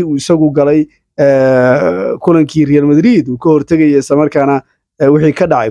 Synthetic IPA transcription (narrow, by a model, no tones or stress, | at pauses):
iuːɪsɐɣʊɡɐlɛj | ɛ | kʰʊlɐŋkʰiːrɛjalmɐd̪ɾiːd̪uːkʰɐhɔrt̪ʰɐɣɐjɔɪslɐmɐrkʰaːnɐ | wɪħiːkʰɐɖɑʕɑ